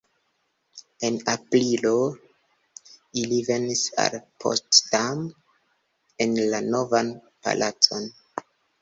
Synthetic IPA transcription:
e̞napɾilo | ilive̞nisa̰lpʰo̰stdam | enlano̞van | pa̰lʔat͡so̞n

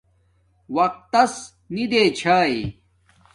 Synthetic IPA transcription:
wɐq̚t̪ːɐs | nid̪et͡ɕʰaːj

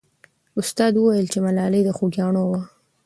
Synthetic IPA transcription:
ʊst̪ɑd̪wəwajəlt͡ʃemalɑləjd̪əxuɡjɑɳowa

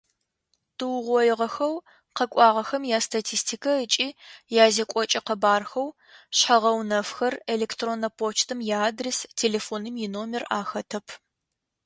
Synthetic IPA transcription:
tʰɨwʁʷɔjɪʁɐxɐw | qɐkʷʼɑːʁɐxɐmjaːstʰatʰiːstʰikʰɐət͡ʃʼiːjaːzekʷʼɔt͡ʃʼɐqɐbaːrxɐw | ɕħɐʁɐwnɐfxɐrelektroːnɐpʰoːt͡ʃʰtʰɨmjaːdrestʰeːleːfoːnɨmjɪnoːmɪraːxɐtʰɐpʰ

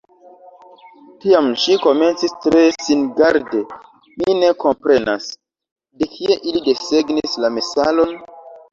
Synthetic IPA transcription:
tiamʃiko̞me̞nt͡sistɾe̞sinɡaɾde̞ | mine̞ko̞mpɾe̞na̰s | de̞kʰie̞ʔilide̞se̞ɡnislame̞salo̞n

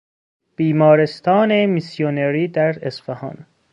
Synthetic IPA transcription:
b̥iːmɒːɾest̪ʰɒːnemisjoneɾiːd̪æɾesfehɒ̰ːn

